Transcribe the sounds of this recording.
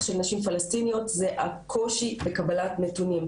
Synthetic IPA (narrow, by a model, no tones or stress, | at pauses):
ʃelnaʃimfalast̪inijo̞tzeʔakʰo̞ʃibekabalatnetunim